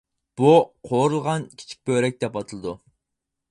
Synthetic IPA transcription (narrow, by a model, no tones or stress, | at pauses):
b̥uqʰoɾulˠʁɑnkʲʰi̥t͡ʃʰi̥k̚ʲbøɾɛk̚ʲd̪̥ɛpɑt̪ʰɨlˠɨd̪u